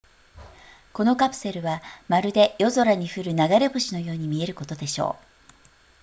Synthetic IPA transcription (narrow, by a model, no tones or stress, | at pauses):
ko̞no̞kapɯ̟̥se̞ɾɯ̟βamaɾɯ̟d̪e̞jo̞zo̞ɾaɲ̟iɸɯ̟ɾɯ̟naɡaɾe̞ɸoɕino̞jo̞ːɲ̟imʲie̞ɾɯ̟ko̞t̪o̞d̪e̞ɕo̞̰ː